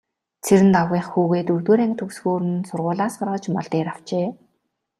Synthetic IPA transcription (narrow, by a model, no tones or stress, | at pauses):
t͡sʰeɾɘ̆nt̪awʁiːχxuːɣeːt̪ɵrt̪ɵːɾæŋt̪ʰɵksɣoːɾɘ̆nsʊrʁʊːɮaːsɢaɾɔːt͡ɕmɔ̰ɮt̪eːɾaw̥t͡ɕeː